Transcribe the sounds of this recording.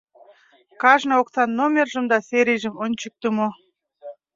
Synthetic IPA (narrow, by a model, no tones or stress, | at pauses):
kɑʒnɤoksɑnːomʲerʒə̆md̪ɑseɾʲijʒə̆monʲt͡ɕək̚t̪umo